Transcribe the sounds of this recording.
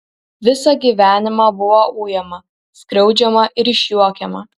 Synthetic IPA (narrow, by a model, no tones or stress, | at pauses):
ʋʲɪsɑɡʲiːʋʲæːnʲɪmɑːbʊʋouːjɛmɐ | skɾʲɛʊd͡ʒʲɛmɐʔɪɾɪʃʲjuɔkʲɛmɐ